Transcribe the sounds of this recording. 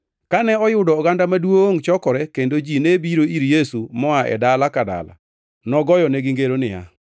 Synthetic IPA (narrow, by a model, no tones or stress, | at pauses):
kanɛɔjʊdɔːɡandamadwoŋt͡ʃɔkɔɾɛkendod͡ʒinebiɾoiɾjesumɔaʔɛ̰dalakada̰la̰ | nɔɡɔjɔnɛɡɪŋɡeɾonɪa̰